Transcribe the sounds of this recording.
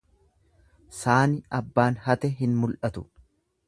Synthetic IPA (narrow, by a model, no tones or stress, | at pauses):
saːnɪɐbːaːnhɐt̪ɛɦɪnmʊlʔɐt̪ʊ